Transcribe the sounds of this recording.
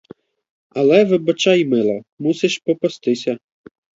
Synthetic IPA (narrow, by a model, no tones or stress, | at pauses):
ɐlˠɛʋɪbɐt͡ʃɑjmɪlˠɐmuseʃpɔpɐst̪ɪsʲɐ